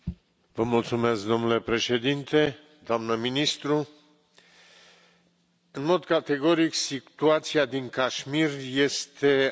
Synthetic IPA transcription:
vəmult̪sume̞sk̚d̪o̞mnule̞pɾe̞ʃe̞d̪int̪e̞ | d̪oamnəminist̪ɾu | ɨnmo̞d̪kat̪e̞ɡo̞ɾiksit̪uat̪siad̪iŋkaʃmirje̞st̪e̞

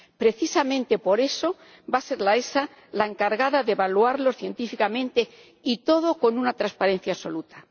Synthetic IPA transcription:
pɾe̞θisamẽ̞nt̪e̞po̞ɾe̞so̞ | base̞ɾlae̞sa | lae̞ŋkaɾɣaðaðeβaluaɾlo̞sθje̞nt̪ifikamẽnt̪e̞ | it̪o̞ð̞o̞ko̞nunat̪ɾaspaɾẽ̞n̟θjaso̞lut̪a

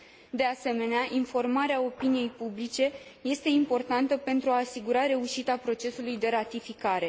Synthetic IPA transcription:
d̪e̞ase̞me̞neaʔinfo̞rmaɾeao̞pinije̞jpublit͡ʃe̞je̞st̪e̞impo̞rt̪ant̪əpe̞nt̪ɾuaːsiɡuɾaɾe̞uʃit̪apɾo̞t͡ʃe̞sulujd̪e̞ɾat̪ifikaɾe̞

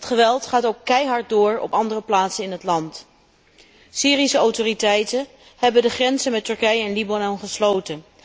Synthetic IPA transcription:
ɦətχəʋɛlˠtχaːtowkːɛjɦɑɹt̚dʊːɹɔ̰pɑndərəplaːtsənɪnɦətlɑnt | siːrisəɔwtoːritɛjtən | hɛbəndəχrɛnzənmɛtɵɹkɛjəɛnlibanɔnχəslowtən

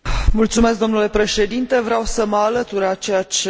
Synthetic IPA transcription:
mult̪sumesk̚ɡd̪o̞mnule̞pɾe̞ʃe̞d̪int̪e̞vɾeawsəməalət̪uɾat͡ʃejat͡ʃ

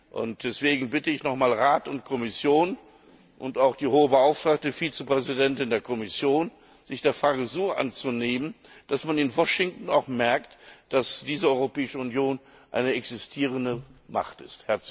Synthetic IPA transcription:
ʔʊ̰nt̚d̥ɛsv̥eːɡŋ̩bɪtəɪçnɔχmaːlʁaːtʊnt̚kʰɔmɪsjoːn | ʔʊntaʊxd̥iːhoːəbəaʊftʁ̥aːk̚təfiːt͡səpʁ̥ɛzidɛntɪndeːɐkʰɔmɪsjoːn | z̥ɪçd̥eːɐfʁ̥aːɡəzoːʔa̰nt͡suneːmənd̥asmanɪnvɔʃɪŋtn̩a̰ʊxmɛɐktd̥asd̥iːzəɔʏʁopɛːɪʃəʊnjoːn | ʔa̰ɪnəɛksɪstʰiːʁ̞əndəma̰χtɪsthɛɐt͡s

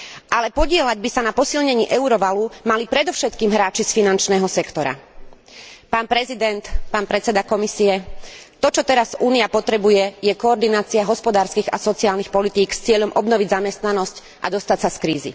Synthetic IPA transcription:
ʔalɛpɔɟɪɛlaɟbisanapɔsilɲɛɲiːʔɛuɾɔʋalumalipɾɛd̪ɔʊʃɛt̪kiːmɦɾaːt͡ʃisfinant͡ʃnɛːɦɔsɛkt̪ɔɾa̰ | paːnpɾɛzid̪ɛnt̪paːnpɾɛt͡sɛd̪akɔmisiɛt̪ɔt͡ʃɔt̪ɛɾazuːniapɔt̪ɾɛbujɛjɛkɔːɾd̪inaːt͡siaɦɔspɔd̪aːɾskiːɣa̰sɔt͡siaːlnixpɔlit̪iːkst͡sɪɛʎɔmʔɔbnɔʋiɟzamɛst̪nanɔsc | ʔa̰d̪ɔst̪acsaskɾiːzḭ

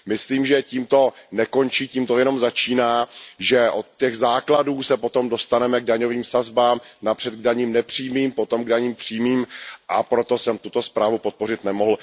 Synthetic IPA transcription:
mɪsliːmʒɛciːmt̪o̞nɛko̞nt͡ʃiːciːmt̪o̞jɛno̞mzat͡ʃiːnaːʒɛʔo̞t̪̚cɛɣzaːkladuːsɛpo̞t̪o̞mdo̞st̪anɛmɛɡ̚daɲo̞viːmsazbaːmnapr̥ɛt̪̚ɡ̚daɲiːmnɛpr̝̥iːjmiːmpo̞t̪o̞mɡdaɲiːmpr̥iːmiːmʔapɾo̞t̪o̞sɛmt̪ut̪o̞spɾaːvupo̞t̪̚po̞r̝ɪt̪nɛmo̞ɦl̩

